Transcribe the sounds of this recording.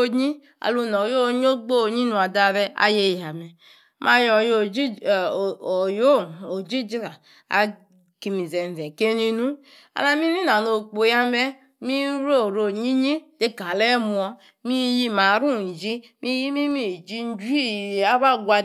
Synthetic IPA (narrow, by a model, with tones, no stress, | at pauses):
o˧ɲi˦ | a̰˨lu˧nɔ˨jo˦˨˦ɲ˦o˦ɡ͡bo˦˨ɲi˦nu˧˦a˨da˧˨ɾɛ˧a̰˨˦je˧ja˨mɛ˨ | mʔa˧jɔ˨jo˨d͡ʒi˦˨ | o˨jo˦˨o˨d͡ʒi˦d͡ʒi˦ɾa˨ | a̰˨ | ki˧mi˨zɛ˨n˨zɛ˨ke˦ni˧nu˦ | a̰˨na˧mi˦ni˦na˨no˨k͡po˨˦ja˧mɛ˦ | mi˦ɾo˦˨ɾo˨ɲi˦ɲi˦de˦ka˨lɛ˦mu˧ɔ˧ | mi˦ji˧ma˨˦ɾu˦˨i˨d͡ʒi˦ | mʔi˦ji˦mi˦mi˦˨d͡ʒi˧˦d͡ʒu˦i˦˨a˦βa˦ɡʷa˧